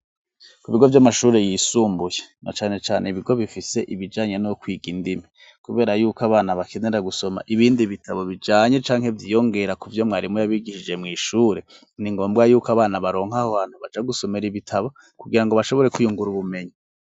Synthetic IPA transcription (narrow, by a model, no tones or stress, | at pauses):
kuiβiɡo̞vjamaʃuːɾe̞jiːsuːmbujena̰t͡ʃaːne̞t͡ʃaːnʔeiβiɡo̞βifise̞ʔiβid͡ʒaːɲenookwiːɡindimi | kuβe̞ːɾajuːkoaβaːnaβakʰe̞ne̞ɾaɡuso̞ma̰ʔiβiːndiβitʰaβo̞βid͡ʒaːɲe̞t͡ʃaːŋhe̞vjiːjo̞ŋɡe̞ɾakuvjo̞mŋaːɾimujaβiɡiʃid͡ʒe̞mŋiːʃuːɾe̞ | niŋɡo̞ːmbɡajuːkoaβaːnaβaɾo̞ːŋhaoβaːn̥huβat͡ʃaɡuso̞me̞ɾiβitʰaβo | kuɡiɾaŋɡo̞βaʃoβo̞ɾe̞kujuŋɡuɾuβume̞ɲi